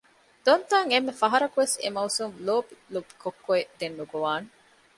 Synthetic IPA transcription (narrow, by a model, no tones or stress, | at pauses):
d̪̥ont̪aːŋemːefɐɦɐɾɐkuʋesḛmɐusumloːbilubi̥kokːoed̪enːuɡuʋaːne